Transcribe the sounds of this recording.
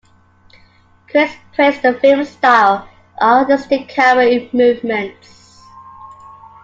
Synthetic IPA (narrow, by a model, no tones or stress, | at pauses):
kʰɹ̥ɪspʰɹ̥ɛstəfɪmstaɪlˠ | ʔɔɡəstɪkʰːaɹəmʉːvmə̃nts